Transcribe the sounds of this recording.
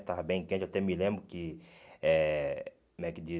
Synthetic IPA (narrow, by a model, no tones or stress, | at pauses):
t̪avɐbẽj̃kẽt͡ʃat̪ɛmilẽmbɾʊkɪɛ | mɛkɪd͡ʒi